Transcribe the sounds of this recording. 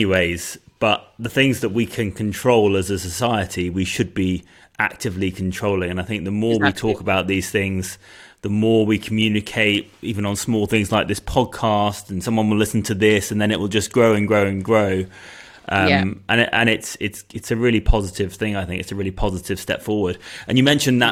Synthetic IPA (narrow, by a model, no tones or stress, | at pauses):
iweɪz̥b̥ʌʔ̚ðəθɪ̃ŋzðəʔ̚wikʰɨ̃nkʰə̃ntʰɹ̥oʊlˠəzəsəsaɪɨtʰiwiʃɨd̚bi | ʔa̰k̚tɨvlikʰntʰɹ̥oʊlɪ̃ŋə̃naɪθɪ̃ŋk̚ðəmɔɹwitʰɔˑkəbaʊʔ̪̚ðiz̥θɪ̃ŋz̥ðəmɔɹwikʰəm̩jʉnɨkʰeɪt | ʔivə̃nə̃nsmɔlˠθɪ̃ŋzlaɪk̚ðɪspʰɒd̚kʰɑstn̩sʌ̃mwʌ̃nwəlɪsn̩tʰɨðɪsɨ̃n̩ðɨ̃ñɨʔ̚wɪlˠd͡ʒʌsɡ̥ɹoʊɨ̃nɡɹoʊɨ̃nɡɹoʊ | ʔʌ̃ʔə̃nʔə̰̃ñɪtsɪtsɨtsɨɹɪlˠipʰɑzɨɾɪv̥θɪ̃ŋaɪθɪ̃ŋkɨtsəɹɪlipʰɑzɨɾɨv̥stɛ̰pfɔɹwə˞d̥ʔɨ̃njɨmɛ̃nʃɨ̃nðə